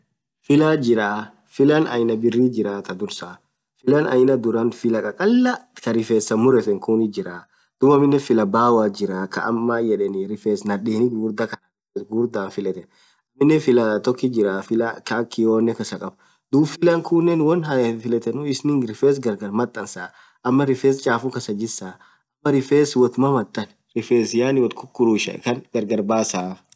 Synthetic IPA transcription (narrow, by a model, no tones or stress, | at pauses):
fɪlad͡ʒɪɾaː | fɪlɐnɐ̰jnɐbɪrːiːd͡ʒɪɾaːt̪ɐd̪ʊɾsa | fɪlɐnɐ̰jnɐd̪ʊɾɐnfɪlɐkʼɐkʼɐlːɐkɐɾɪfeːsːɐmʊɾɛt̪ɛŋkuːnɪd͡ʒɪɾaː | d̪̥ʊbɐmːɪnːɛfɪlɐbaːwaːd͡ʒɪɾaːkɐ̰ɐmːaːjɛᶑɛnɪɾɪfeːsnɐᶑiːnɪɡuːɾd̪ɐkɐnɐ | ɛɡuːɾd̪aːnfɪlɛt̪ɛn | ɐmːɪnːɛfɪlɐt̪ɔkːɪd͡ʒɪɾafɪlɐkakːɪjoːnːɛkɐsɐkʼɐb | d̪uːbfɪlɐŋkʰʊnːɛnwɔnɦɐfɪlɛt̪ɛnʊɪsnɪŋɾɪfeːs̬ɡɐɾɡɐɾmɐt̪ʼːɐnsaː | ʔɐmːɐɾɪfeːst͡ʃʼaːfʊŋkɐsɐd͡ʒɪsaː | ʔɐmːɐɾɪfeːswɐt̪mɐmɐt̪ʼːɐn | ɾɪfeːsjaːnɪwɔt̪kʰʊkːʊɾuʃɐ̰ʔɛ̰kɐnɡɐɾɡɐɾbaːsaːf